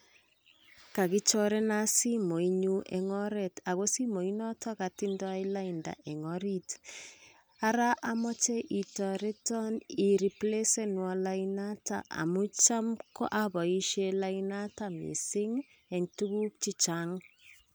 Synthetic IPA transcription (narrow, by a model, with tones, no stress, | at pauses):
ka˨kɪ˦t͡ʃɔ˦ɾe˦na˦si˦mo˨i˦ɲu˦ʔɛŋɔ˦ɾɛ˨ta˨ɣo˦si˦mo˨i˦nɔ˦tʰɔ˦ka˨ti˦ndɔ˦aila˦inda̰˨ʔɛ˨ŋɔɾit | a˦ɾa˦ʔa˦mɔ˦t͡ʃe˦ʔi˨tɔ˨ɾe˦tɔni˨ɾi˨ple˦se˦nwɔ˨la˦i˦na˦ta̰˨ʔa̰˨mʊ˦t͡ʃa˦mkɔ˦ʔa˦βɔ˨i˦ʃe˦la˦ina˦tamḭ˨sɪ˦ŋ | e˨ŋtu˦ɣu˦k̚t͡ʃi˦t͡ʃaŋ